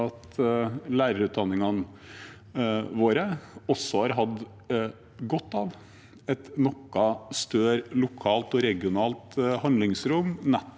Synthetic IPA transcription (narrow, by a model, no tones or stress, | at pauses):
ɑt̪læːɾəɾʉːt̪̚d̪ɑnːɪŋɑn | ʋoːɾəɔsːɔhɑːɾɦɑd̪ | ɡɔt̪ːɑːʋ | ɛt̪nɔkːɑst̪øːɾlʊkʰɑːlt̪ɔɾɛɡɪʊnɑːlt̪hɑnd̪lɪŋsɾʊmnɛ